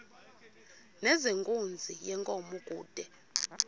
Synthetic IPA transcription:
nɛzeŋkʼund͡zʱijɛŋkʼɔmukʼuːd̥ʱɛ

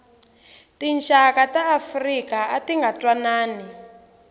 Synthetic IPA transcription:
tinʃakataːfrikaatiŋɡatwanaːni

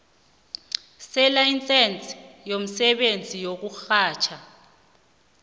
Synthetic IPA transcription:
sɛlaint͡sʼɛnt͡sʼjom̩sɛɓend͡zʱijok̬uxaːt͡ʃʰa

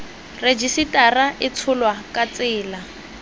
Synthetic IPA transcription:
red͡ʒisitaraʔɪt͡sʰʊlwakʼat͡sɪːla

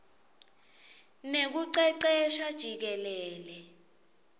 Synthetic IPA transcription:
nek̬uǀɛǀɛʃad̥ʒ̥ʱik̬ɛlɛːlɛ

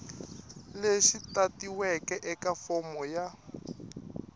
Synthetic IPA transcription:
leʃitatiwɛkɛʔɛkafɔmɔja

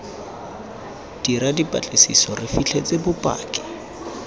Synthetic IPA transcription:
d̥iɾadipʼa̰t͡ɬʼɪsḭsɔrɪfit͡ɬʰet͡sʼebʊpʼa̰ːkʼɪ̥

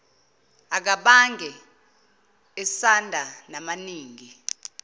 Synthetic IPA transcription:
ak̬aɓaŋʱɛ | ɛsandʱanamaniːŋʱi

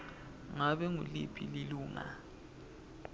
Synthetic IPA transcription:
ŋaɓɛŋulḭpʰililuːŋa̰

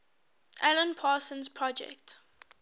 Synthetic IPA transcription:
ʔɛlə̃npʰaːsə̃nzpʰɹɔd͡ʒɛ̰kt

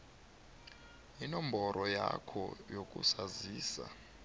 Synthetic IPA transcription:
inɔmbʱɔɾʔɔjakʰɔjokʼṵsaziːsa

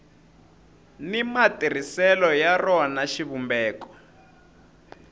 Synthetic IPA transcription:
nimatir̤isɛlɔjarɔanaʃiβumbɛːkɔ̥

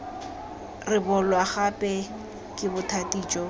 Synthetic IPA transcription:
rɪbɔlwaχapʼɛ | kʼɪbʊtʰatʼiːt͡ʃʼɔ

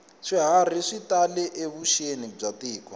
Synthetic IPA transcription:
ʂiɦar̤iʂitalɛʔeβuʃenib͡ʐatiːkɔ

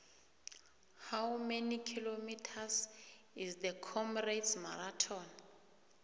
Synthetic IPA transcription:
hawmenikʰilomitʰas | izdəkʰɔmredsmaɾatʰɔn

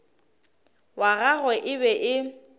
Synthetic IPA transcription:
waɣaɣwɛʔɪβɛʔɪ

